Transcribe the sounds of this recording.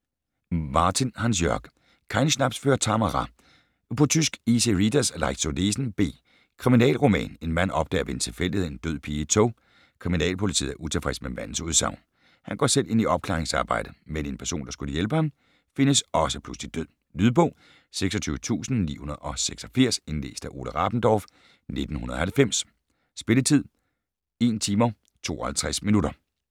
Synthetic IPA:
mɑ̈ːt͡sʰinhɑns̬jɶɐɡ̥ | kʰɑ̈ɪnsnæb̥sføːɐt͡sʰɑmɑʁɑ | pʰɒ̽t͡sʰysɡ̥ise̝ʁid̥æslɑ̈ɪɡ̥sodesn̩b̥e̝̰ː | kʰʁiminɛ̰ːlʁomɛ̰ːne̝nmæn̰ɒ̽b̥̚d̥ɛ̰ːɐʋe̝ent͡sʰe̝lfel̰d̥ihee̝nd̥øð̰ˠpʰiːt͡sʰo | kʰʁiminɛ̰ːlpʰo̝lit͡sʰḭð̰ˠæɐʔut͡sʰe̝fʁɛsd̥memæn̰n̩suð̞ˠsɑ̈ʊ̰n | hænɡ̥ɒ̰ːsel̰ʔe̝n̰iʔɒ̽b̥̚kʰlɑ̰ːʁeŋsɑ̈ːb̥ɑ̈ɪ̰d̥əmene̝npʰæɐso̰ːnd̥ɑ̈sɡ̥uləjelb̥əhɑ̈m | fe̝nəsɒ̽səpʰluslid̥øð̰ˠ | lyðˠb̥ɔ̽ː | seɡ̥sɒt͡sʰyːʊət͡sʰṵːsn̩nḭːhunɐð̩ˠɒ̽seɡ̥sɒfiɐ̰se̝nle̝̰ːsd̥æʔo̝ːləʁɑ̈b̥n̩d̥ɒːf | ne̝d̥n̩hunɐðˠɒhælfem̰s | sb̥e̝lət͡sʰið̞̰ˠ | e̝̰nt͡sʰiːmɐ | t͡sʰo̝̰ːɒhælt͡sʰʁasminuɾɐ

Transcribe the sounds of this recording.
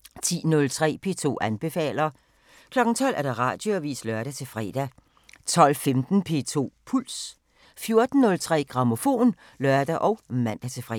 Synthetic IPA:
t͡sʰḭːnɔ̽lt͡sʰʁɛ̰ːpʰe̝̰ːt͡sʰo̝̰ːʔænb̥e̝fɛ̰ːlɐ | kʰlɒ̽ɡ̥n̩t͡sʰɒ̽l̰ʔæɐd̥ɑ̈ʁɑ̰̈ːd̥joæʋḭːslœɐɾ̥æt͡sʰe̝fʁɛ̰ːd̥æ | t͡sʰɒ̽l̰femd̥n̩pʰe̝̰ːt͡sʰo̝̰ːpʰuls | fjo̝ɐd̥n̩ːɔ̽lt͡sʰʁɛ̰ːɡ̥ʁɑ̈mo̝fo̝̰ːn | lɶɐd̥æʔɒ̽ʊmæn̰d̥æt͡sʰe̝fʁɛ

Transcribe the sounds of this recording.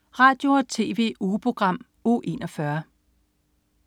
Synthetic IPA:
ʁɑ̈ːd̥jo̝ɒt͡sʰe̝ːʋe̝̰ːupʰʁo̝ɡ̥ʁɑ̈m̰ | o̰ːʔe̝̰nɒ̽fɶɐ

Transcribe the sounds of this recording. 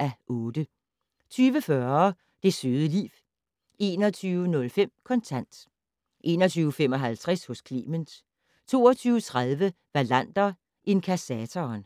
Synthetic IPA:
ʔæʔɔ̽ːd̥ə | t͡sʰyːʋəfɶɐ | d̥e̝søðˠəlḭːʋ | e̝̰ːnɒt͡sʰyːʊənɔ̽lfem̰kʰɒ̽nt͡sʰæn̰d̥ | ʔe̝̰ːnɒt͡sʰyːʊəfem̰ɒ̽ɦælt͡sʰʁɛshɔ̽skʰlḭːməns | t͡sʰo̝̰ːɒt͡sʰyːʊət͡sʰʁaðˠʋə | ʋælæn̰d̥ɐ | ʔe̝nkʰæsɛt͡sʰɒːn

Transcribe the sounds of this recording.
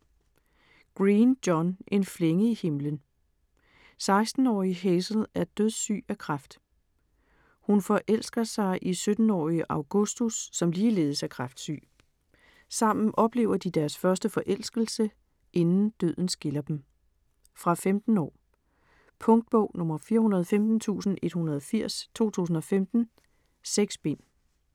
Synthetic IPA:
ɡ̥ʁiːnd̥jɒne̝nfleŋəihe̝mlən | sɑ̈ɪsd̥n̩ɒ̰ːiɦesl̩ˠæɐd̥øðˠsy̰ːækʰʁɑfd̥ | hunfɒ̽ʔel̰sɡ̥ɐsɑ̈ɪʔisød̥n̩ɒ̰ːiəʔɑ̈ʊɡ̥ɔ̝sd̥usːɒ̽mliːle̝ːð̞̩ˠəsæɐkʰʁɑfd̥sy̰ː | sɑ̈m̰n̩ʔɒ̽b̥le̝̰ʊɐd̥id̥æɐsfɶɐsd̥əfɒ̽ʔel̰sɡ̥l̩sə | ʔe̝nn̩d̥øð̰ˠn̩sɡ̥e̝lɐd̥em | fʁɑ̈femd̥n̩ɒ̰ː | pʰɔ̽ŋd̥̚b̥ɔʊnɔ̽mɐfiːɐhunɐð̞ˠfemd̥n̩t͡sʰṵːsn̩e̝d̥hunɐð̞ˠɒfiɐ̰st͡sʰo̝̰ːt͡sʰṵːsn̩ɒ̽femd̥n̩ | seɡ̥sb̥e̝n̰

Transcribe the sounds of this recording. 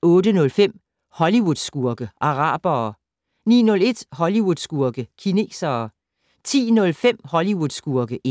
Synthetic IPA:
ɔ̽ːd̥ənɔ̽lfem̰ | hɒ̽liwuð̥ˠsɡ̥uɐɡ̥əʔɑ̈ʁɑ̰̈ːb̥ɐː | nḭːnɔ̽le̝d̥hɒ̽liwuðˠsɡ̥uɐɡ̥əkʰine̝̰ːsɐː | t͡sʰḭːnɔ̽lfem̰hɒ̽liwuðˠsɡ̥uɐɡ̥əʔe

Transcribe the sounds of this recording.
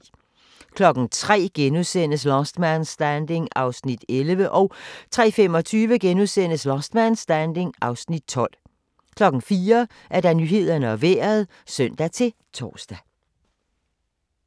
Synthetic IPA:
kʰlɒ̽ɡ̥n̩t͡sʰʁɛ̰ːɡ̥enusen̰əslɒsd̥mænsd̥ænd̥e̝ŋɑ̈ʊsnid̥elʋəʔɒʊt͡sʰʁɛ̰ːfem̰ɒ̽t͡sʰyːʋəɡ̥enuðˠsen̰əslɒsd̥mænsd̥ænd̥e̝ŋʔɑ̈ʊsnid̥̚t͡sʰɒ̽l̰ | kʰlɒ̽ɡ̥n̩fiːɐ | ʔæɐd̥æ̈nyɦe̝ð̞̰ˠɐnəɒʋeːɐð̞ˠ | søn̰d̥æt͡sʰe̝l | t͡sʰɒ̰ːsd̥æ

